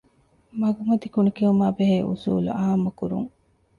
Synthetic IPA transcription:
mɐɡumɐd̪ikunikiumaːbeɦeːʔṵsṵːlṵɐɦɐmɐkuɾṵŋ

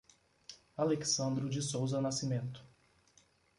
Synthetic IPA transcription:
aleksɐ̃nd̪ɾʊd͡ʒɪsowzɐnasimẽnt̪ʊ̥

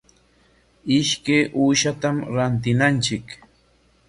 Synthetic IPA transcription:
ɪʃkejʔuːʃat̪amɾant̪̬ɪnant͡ʃɪk

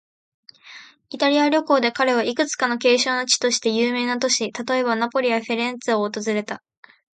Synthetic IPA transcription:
it̪aɾʲiaɾʲo̞ko̞ːd̪e̞kaɾe̞β̞aikɯ̟t͡sɨ̥kano̞ke̞ːɕo̞ːno̞t͡ɕi̥t̪o̞ɕi̥t̪e̞jɯːme̞ːnat̪o̞ɕit̪at̪o̞e̞βanapo̞ɾʲijaɸeɾẽ̞nt͡sɨoːt̪o̞zɨɾe̞t̪a

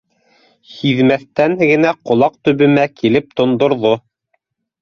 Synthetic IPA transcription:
hiðmæθt̪ænɘɡɘ̆næqŏlˠɑq̚t̪ɵ̆βɘ̆mækilɘp̚t̪ŏnd̪ŏɾðo

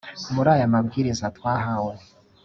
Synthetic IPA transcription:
muɾaːjamabɡiːɾizatwaːɦawo

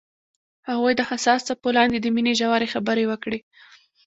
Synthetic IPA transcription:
haɣujd̪əhasɑst͡sapolɑnd̪ed̪əmineʒawaɾexabəɾewəkɽe

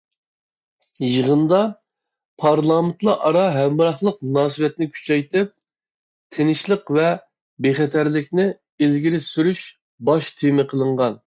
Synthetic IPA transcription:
jəʁənd̪ɑ | pʰɑɾlˠɑːmɪnt̪lˠɑʔɑɾɑɦɛmbɨɾɑχlˠəq̚munɑːsɨwɛt̪nɪkʲʰy̥t͡ʃʰɛjt̪ɪp̚ | t̪ʰenɪʃlˠəqvɛ | beχɛt̪ʰæɾlɪkʲnɪ | ilɡʲiɾɪsyɾyʃ | bɑʃt̪ʰemɪqʰəlˠəɴʁɑn

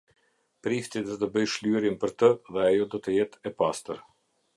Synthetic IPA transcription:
pɾift̪id̪ɔt̪əbəjʃlyɾimpəɾt̪əðɛajɔd̪ɔt̪əjɛt̪ʰɛpast̪əɾ

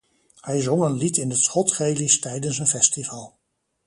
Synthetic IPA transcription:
hɛjzɔŋənlitɪnətsχɔtχejlistɛjdəns̬ənfɛstivaːlˠ

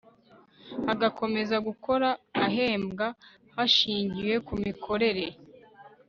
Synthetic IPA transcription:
aɡakʰo̞me̞zaɡuko̞ɾaːɦe̞ːmɡa | haʃiːɲɟiwe̞kumikʰo̞ɾe̞ɾe̞

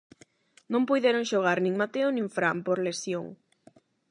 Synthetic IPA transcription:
nõmpujðeɾoŋʃoɣ̞aɾnĩŋmat̪eonĩŋfɾampoɾlesjo̰ŋ

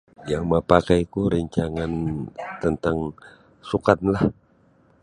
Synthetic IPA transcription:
jaŋmapakajkuɾəɲt͡ʃaŋant̪ənt̪aŋ | sukat̪̚nlah

